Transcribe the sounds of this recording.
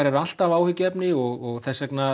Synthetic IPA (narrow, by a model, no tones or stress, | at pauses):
aɾɛɾal̥t̪avaːwhʏcːɪɛpnɪɔɣɔɣθɛsːɛkna